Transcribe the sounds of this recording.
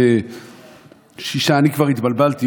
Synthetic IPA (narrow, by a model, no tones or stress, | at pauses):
e | ʃiʃaːnikvaʁit̪balbalt̪i